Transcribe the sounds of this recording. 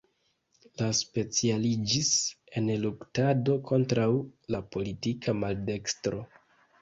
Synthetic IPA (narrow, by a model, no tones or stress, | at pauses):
laspe̞t͡sialid͡ʒis | e̞nluktado̞kʰo̞ntɾawlapo̞litikʰamalde̞kstɾo̞